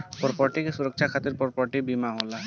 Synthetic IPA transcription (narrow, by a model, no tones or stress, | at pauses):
pɔɾpɔɾʈikesuɾokʃʰakʰat̪iɾpɔɾpɔɾʈibimaɦola